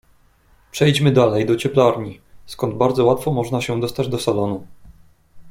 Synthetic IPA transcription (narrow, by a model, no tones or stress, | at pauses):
pʂɛjd͡ʑmɘd̪alɛjd̪ɔt͡ɕɛplaɾɲiskɔnd̪̚baɾd̪zɔwat̪fɔmɔʐnaɕɛd̪ɔst̪ad͡ʑd̪ɔsalɔnu